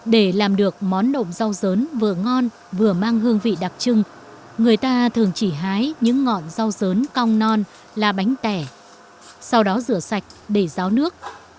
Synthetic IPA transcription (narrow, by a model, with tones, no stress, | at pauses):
ɗe˧˩laː˨˩mɗɨ˨˩ək̚mɔ˨˦nːo̰˧˨ŋ͡mza˧wzəː˨˦nvɨ˨˩əŋɔ˧n | vɨ˨˩əmaː˧ŋɦɨ˧əŋvḭ˧˨ɗa˨˩p̚t͡ɕɨ˧ŋ | ŋɨ˨˩əjt̪aː˧t̪ʰɨ˨˩əŋt͡ɕi˧˩ɦaː˨˦jɲɨ̰˧˥ŋːɔ̰˧˨nza˧wzəː˨˦nka˧wŋ͡mnɔ˧n | laː˨˩ɓa˨˦jŋ̟t̪ɛ˧˩ | sa˧wɗɔ˨˦zɨ̰˧˩əsa˨˩jk̟̚ɗe˧˩zaː˨˦wnɨ˦˥ək̚